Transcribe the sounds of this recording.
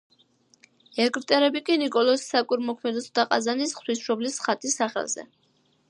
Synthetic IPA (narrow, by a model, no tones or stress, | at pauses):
ɛɡɾt̪ʼɛɾɛbikʼinikʼɔlˠɔssakʼiɾmɔkʰmɛd̪ɛsɔd̪aqʼa̰zanisχt̪wisʃɔblisχat̪ʼisaχɛ̰lˠz̥ɛ̰